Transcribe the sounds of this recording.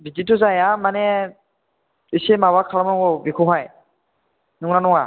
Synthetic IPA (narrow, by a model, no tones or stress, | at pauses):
biditʊzajamanɛ | isɛmawakʰalɔmɔkɔbikʰuɦaj | nuŋnanʊŋa